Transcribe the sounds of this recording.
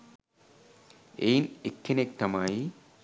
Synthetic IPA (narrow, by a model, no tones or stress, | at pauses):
ejnekːenek̚t̪ɐmaji